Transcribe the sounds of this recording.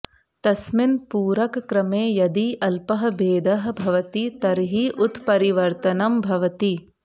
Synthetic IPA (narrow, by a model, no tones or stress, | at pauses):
t̪ɐsminpuːɾɐkkɾɐmeːjɐd̪iʔɐlpɐɦɐ̆beːd̪ɐɦɐ̆bʱɐʋɐt̪it̪ɐɾɦiʔut̪pɐɾiʋɐɾt̪ɐnɐmbʱɐʋɐt̪i